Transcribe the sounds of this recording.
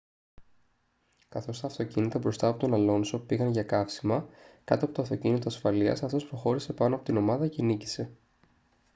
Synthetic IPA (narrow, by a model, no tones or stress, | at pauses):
kɐθo̞st̪ɐːft̪o̞cinit̪ɐbɾo̞st̪ɐːpo̞t̪onɐlo̞nso̞piɣɐnʝɐkɐfsimɐkɐt̪oɐpo̞t̪oɐft̪ocinit̪o̞ɐsfɐliɐ̰sɐft̪o̞spɾo̞xo̞ɾise̞pɐno̞ɐpo̞t̪ino̞mɐðɐcenici̥se̞